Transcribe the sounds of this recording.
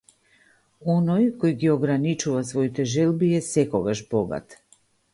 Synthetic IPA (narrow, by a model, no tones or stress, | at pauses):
ɔnɔjkɔjɡiɔɡɾanit͡ʃuvasvɔit̪ɛʒɛlˠbiɛsɛkɔɡaʒbɔɡa̰t̪